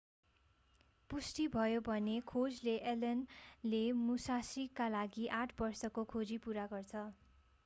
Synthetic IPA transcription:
pusʈibʱʌjobʱʌnekʰod͡zleʔelʌnlemusasikːalaɡiʔaʈʰbʌrsʌkokʰod͡zipuɾaɡʌrt͡sʰʌ

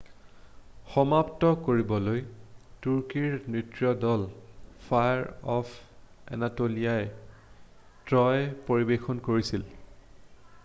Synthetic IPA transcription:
xɔmaptɔkoɹibɔlojtuɹkiɹnitɹiɔdɔlpʰajaɹɔpɛ̰natolija | tɹɔjpoɹibexɔnkoɹisil

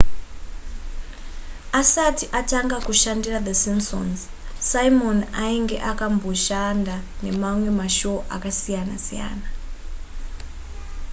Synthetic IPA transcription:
asatiʔataŋɡakuʃandiraðəsimso̰nz | saimonaiŋɡḛʔakambo̞ʃandane̞mamwe̞maʃuoʔakasijana̰sija̰ːna

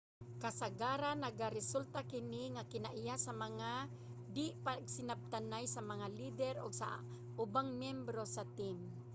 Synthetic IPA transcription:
kasaɡaɾanaɡaɾɪsult̪akɪniŋakɪnaʔɪjasamaŋa | d̪ɪpaɡsɪnab̚t̪anajsamaŋalid̪ɛɾɔɡsa̰ | ʔʊbaŋmjɛmbɾosat̪im

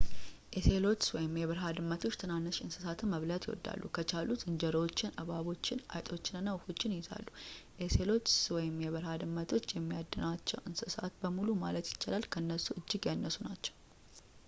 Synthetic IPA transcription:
ʔeselo̞t͡ʃːwɔjɪmjɛβəɾɦad̪ɨmːət̪ʰo̞t͡ʃːt̪ʰɨnanːəʃɨnsɨ̥sat̪ʰɨməβlat̪jɛ̰wɔ̰d̪ːa̰lːṵkʰət͡ʃʰaluzɨnd͡ʒəɾwot͡ʃːɪnʔəβaβo̞t͡ʃːɪna̰jt̪ʼo̞t͡ʃːɪnɨnːawufo̞t͡ʃːɪnijɪza̰lːuʔese̞lo̞t͡ʃːwɔjɪmjɛβɨɾhad̪ɨmːət̪ʰo̞t͡ʃːjɛmːijad̪ːənat͡ʃːɛwʔɨnsɨsat̪bəmulumalət̪jɪt͡ʃːalalkʰəɨnːəsuʔɨd͡ʒːɪɡjanːəsunat͡ʃːɛ̥w

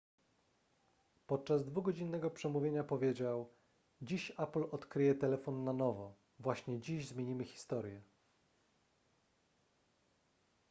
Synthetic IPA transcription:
pɔt̪̚t͡ʂazd̪vuɡɔd͡ʑinːɛɡɔpʂɛmuvʲjeɲapɔvʲjed͡ʑaw | d͡ʑiɕaplɔt̪kɾɘjɛt̪ɛlɛfɔnːanɔvɔ | vwaɕɲɛd͡ʑiʑzmʲjeɲimɘxʲi̥st̪ɔɾjɛ

